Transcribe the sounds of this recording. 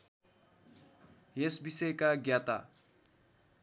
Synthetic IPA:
jesbisʌjkaɡjat̪a̰

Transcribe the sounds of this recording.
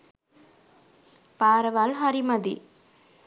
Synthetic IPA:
paːɾɐʋaːlɦɐɾimɐd̪ḭ

